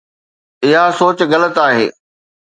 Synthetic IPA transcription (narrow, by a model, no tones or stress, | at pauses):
ɪɦasoːt͡ɕɣɐlət̪aːɦḛː